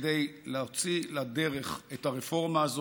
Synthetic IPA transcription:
d̪ejleot͡silade̞ʁe̞χetaʁefo̞ʁmaːzo

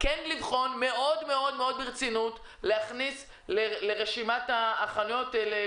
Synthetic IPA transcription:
kenlivχo̞nme̞ʔo̞dmeo̞dmeo̞d̪biʁt͡sinut | leaχnis | leleʁeʃimataːχanujo̞tele

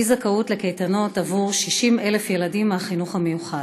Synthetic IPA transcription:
izakautle̞kejtano̞tavuʁʃiʃime̞lefje̞ladimːaχinuχhame̞juχa

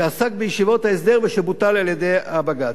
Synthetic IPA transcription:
easak̚bejiʃivo̞t̪haes̬d̪eʁveʃebut̪alaljed̪ejabaɡa

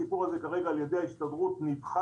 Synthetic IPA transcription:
ipuʁhaze̞kaʁe̞ɡaːljedejaiʃt̪odʁutnivχa

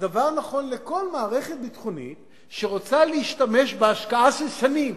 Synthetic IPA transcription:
davaʁnaχo̞nle̞ko̞lmaːʁe̞χe̞t̪̚bit̪χunḭt | ʃeʁot͡saleiʃtame̞ʃbeaʃkaaʃelʃanim

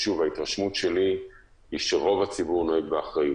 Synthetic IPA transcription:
ʃuvhait̪ʁaʃmutʃe̞li | iʃeʁo̞vat͡sibuʁno̞eɡ̚beaχʁaji

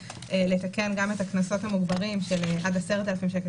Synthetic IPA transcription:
ʔele̞t̪ake̞nɡamet̪aknaso̞thamuɡbaʁimʃelʔadaseʁet̪elafimʃeke

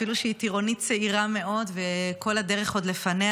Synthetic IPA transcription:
iluʃeit̪iʁo̞nit̪̚t͡seiʁame̞ʔo̞dveko̞lade̞ʁeχo̞d̪lefane

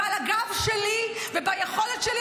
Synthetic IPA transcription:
alaɡavʃeli | vebajeχo̞letʃeli

